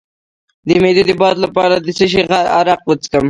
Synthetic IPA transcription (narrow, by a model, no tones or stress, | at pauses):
d̪əmed̪od̪əbɑd̪lapɑɾad̪əsəʃ̬eɣaa̰ɾaq̚wət͡skəm